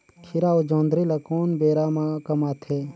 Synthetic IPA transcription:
kʰiɾaːod͡ʒõːnd̪ɾilɐkoːnbeːɾaːmakɐmaːt̪ʰeː

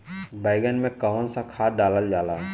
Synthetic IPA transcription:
baːɪɡənmẽkaʋənsakʰaːɖaːləld͡ʒaːlaː

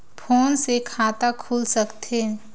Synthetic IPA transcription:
pʰoːnsekʰaːt̪akʰuːlsəkt̪ʰe

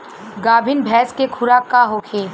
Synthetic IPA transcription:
ɡaːbʱɪnbʱɛːskekʰʊɾakaɦokʰeː

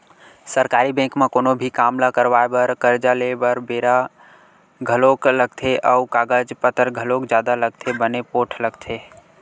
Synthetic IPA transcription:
səɾkaːɾibɛ̃ːkmẽkonobʱikaːmlakəɾʋaebəɾkəɾd͡ʒalebəɾbeːɾa | ɡʱəlokləɡ̚t̪ʰeʔəukaɡəd͡ʒpət̪əɾɡʱəlokd͡ʒjaːd̪aləɡt̪ʰebənepoːʈʰləɡt̪ʰe

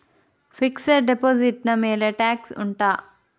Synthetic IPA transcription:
fikseɖepoːziʈnɐmeːleʈaːksṵɳʈaː

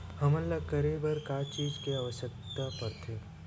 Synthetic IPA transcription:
hɐməllɐkəɾebəɾkaːt͡ʃiːd͡ʒkeaʋəʃək̚t̪apɐɾt̪ʰeː

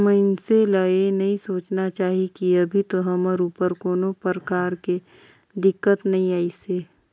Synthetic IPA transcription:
məɪnseləenɐɦĩsoːt͡ʃnat͡ʃaːɦikiɐbʱit̪oɦɐməɾuːpəɾkoːnopəɾəkaːɾke | d̪ɪkːət̪nɐɦĩaːiseː

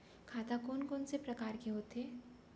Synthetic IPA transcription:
kʰaːt̪akoːnkoːnsepɾɐkaːɾkiɦoːt̪ɦeː

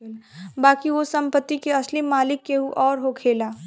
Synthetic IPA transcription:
baːkiʋosɐ̃mpət̪ːikeɐslimaːlɪkːeɦuʔɔːɾɦokʰeːlaː

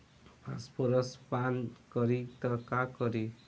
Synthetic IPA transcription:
pʰa̰spoɾʌspankʌɾit̪ʌkakɔɾi

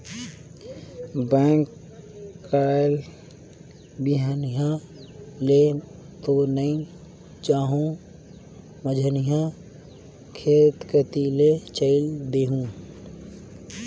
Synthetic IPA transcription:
bɛ̃ːŋkː | ael | biɦanijã | le | t̪onəĩ | t͡ʃaːɦũ | məd͡ʒʱənijã | kʰeːt̪kət̪ilet͡ʃəɪld̪eːɦũ

